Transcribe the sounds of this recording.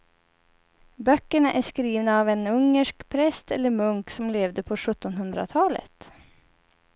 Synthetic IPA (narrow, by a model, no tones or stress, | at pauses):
bœkːəɳaʔæʂkɾiːvnaːvɛnɵŋːəʂkpʰɾɛst̪ɛlːəɾmɵŋksɔmleːvd̪əpʰɔɧɵt̪ːɔnhɵnd̪ɾa̰t̪ʰɑːlə̰t̪